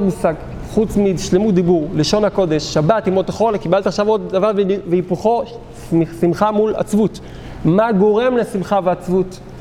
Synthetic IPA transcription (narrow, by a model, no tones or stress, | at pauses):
dmusaɡ | χut͡smiʃlemut̚d̪ibuʁleʃonhako̞d̪eʃːabatimot̪eχo̞lkibalt̪aχʃavo̞d̪ːavaʁvveipuχo̞ | smisimχamula̰t͡svut̪ | maɡo̞ʁe̞mlesimχaveat͡svut̪